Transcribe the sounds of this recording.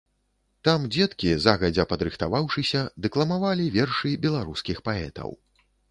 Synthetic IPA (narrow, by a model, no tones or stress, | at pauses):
t̪amd͡zʲɛt̪kʲizaɣɐd͡zʲɐpɐd̪ɾɨxt̪avawʂɨsʲɐd̪ɨklˠɐmavalʲivʲɛrʂɨbʲɛlˠaɾuskʲixpaɛt̪ɐ̰w